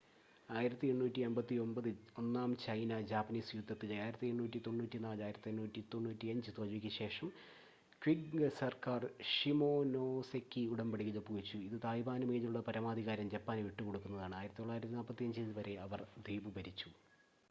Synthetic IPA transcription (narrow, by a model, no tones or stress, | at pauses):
aːjiɾɐt̪ːieɳːuːtːiembɐt̪ːio̞mbɐðɨo̞nːaːmt͡ɕɐjnɐd͡ʑaːpːɐniːsjud̪ʱːɐt̪ːilaːjiɾɐt̪ːie̞ɳnuːtːit̪o̞ɳːuːtːinaːlaːjiɾɐt̪ːiennuːtːit̪o̞ɳːuːtːiɐɲd͡ʑɨt̪oːliʋikʲːɨɕe̞ːʂɐm | kʋiɡsɐrkaːrʂimoːnoːsekːiuɽɐmbɐɽikʲːilopːukut͡ɕːuiðɨt̪aːjibaːnɨmeːðiuɭːɐpɐɾɐmaːd̪ʱiɣaːɾɐmd͡ʑɐpːaːneʋiʈːuko̞ɽukːunːɐðaːɳɨaːjiɾɐt̪ːioɭːaːjiɾɐt̪ːinaːlpɐt̪ːiɐɲd͡ʑilɨʋɐɾe̞ɐʋɐrd̪iːbɨbɐɾit͡ɕːu